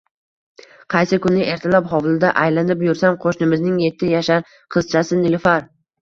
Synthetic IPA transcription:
qʰɑjsɪkʰʊnɪʔe̞ɾt̪ʰalapɦɒwlˠɪd̪aʔajlanɪpjʊɾsamqʰoʃnɪmɪznɪŋje̞t̪ʰːɪjaʃaɾ | qʰɨz̥t͡ʃʰasɪnɪlʲfaɾ

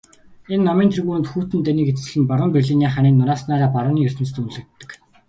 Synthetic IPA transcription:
enːɔmiːnt̪ʰiɣuːɘ̆nt̪xuːt̪ɘ̆nt̪æniːket͡s̪ɘ̆ɘ̆ɮɘ̆npaɾʊ̆ːmpirʲɮiniaːχaːniːnːʊɾaːsnaːɾaːpaɾʊːniːɵr̥ʲt̪ɘ̆mt͡st̪uɮɘ̆kt̪ːə̆k

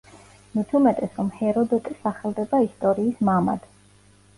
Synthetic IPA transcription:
mit̪ʰumɛt̪ʼɛsɾɔmhɛɾɔd̪ɛt̪ʼisaχɛlˠd̪ɛbaist̪ʼɔɾiːsmama̰d̪̥

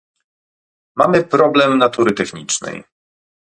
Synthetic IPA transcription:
mamɘpɾɔblɛmnat̪uɾɘt̪ɛxɲit͡ʂnɛ̰j

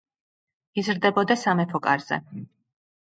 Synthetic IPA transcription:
izɾd̪ɛbɔd̪asamɛpʰɔkʼa̰ɾz̥ɛ̰

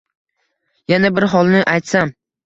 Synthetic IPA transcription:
janabɪɾɦɒlˠnɪʔajt̪sam

